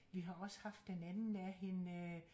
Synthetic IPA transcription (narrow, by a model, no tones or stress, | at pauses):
ʋiɦɑ̈ɒ̽səhɑ̈fd̥ːenænn̩æɦe̝nø